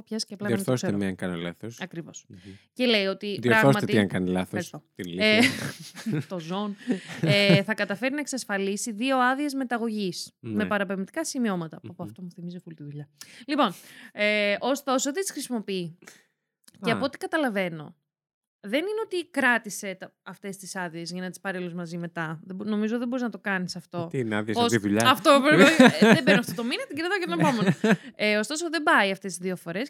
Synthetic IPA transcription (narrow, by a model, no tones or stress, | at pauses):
opçɐsi̥ceɐplɐoɾθosemeɐŋkɐnilɐ̰θosɐkɾivo̞̰sceleio̞t̪iðioɾɐɣosmɐt̪eiɐŋkɐnilɐθst̪ot̪il | t̪o̞zo̞neθɐkɐt̪ɐfe̞ɾinɐeksɐsfɐlisiðio̞ɐðie̞zme̞t̪ɐɣo̞ʝisnme̞pɐɾɐpevmit̪i̥kɐsimio̞mɐt̪ɐppuɐft̪omuθimizofult̪iðuʎɐlipo̞neʔo̞st̪o̞sot̪it̪i̥sxɾisimopii | ceɐpo̞ot̪i̥kɐt̪ɐlɐve̞no̞̰ | ðe̞nineot̪ikɾɐt̪ise̞ɐft̪e̞st̪isɐðie̞zʝɐnɐt̪i̥spɐɾeluzmɐzime̞t̪ɐðebno̞mizot̪iðebo̞ɾiznɐt̪okɐnisɐft̪o̞t̪nɐ̰ðiosiðuʎɐɐft̪opoɾeðebennɐft̪ot̪o̞minɐt̪iɟiɾɐðocet̪onepo̞menoeo̞st̪o̞soðe̞bɐiɐft̪e̞st̪izðiofo̞ɾe̞s